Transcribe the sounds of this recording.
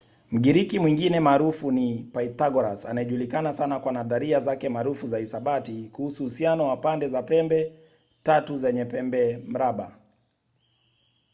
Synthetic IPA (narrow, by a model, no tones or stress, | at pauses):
m̩ɡiɾikimwiŋɡinɛmaːɾufunipaitaɡɔɾasanaɛʄulikanasanakwanaðaɾiazakɛmaːɾufuzaisaɓatikuhusuhusianɔwapandɛzapɛmbɛ | tatuzɛɲɛpɛmbɛm̩ɾaɓa